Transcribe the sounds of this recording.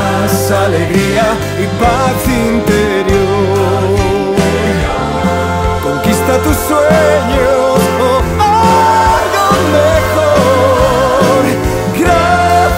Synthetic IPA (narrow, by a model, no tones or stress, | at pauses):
saleɡɾiːa | ipat̪siːnt̪e | ɾjo | ɾi | koŋkist̪at̪uswɛɲo | a | ɡ̪omeko | ɾ | ɡɾa